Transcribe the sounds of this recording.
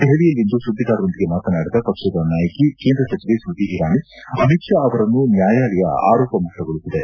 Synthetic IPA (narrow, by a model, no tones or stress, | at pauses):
d̪̥eɦɐɽijɐlːind̪usud̪ʱːiɡaːɾɐond̪iɡemaːt̪ɐnaːɽid̪ɐpɐkʂɐd̪ɐnaːjɐkikeːnd̪ɾɐsɐt͡ʃiʋesud̪ʱːiɦiɾaːni | ɐmitʂaːʋɐɾɐnːunjaːjaːlɛjɐ̰a̰ːɾɔːpɐmɐʈɐɡoɭut̪ːid̪e̞